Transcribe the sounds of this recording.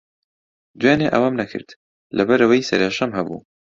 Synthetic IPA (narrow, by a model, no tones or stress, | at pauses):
d̪weːneːʔɐwamnɐkʰɨ̰ɾd̪ | lɐbɐɾɐwɐjsɐ̰ɾeːʃɐmhɐbṵː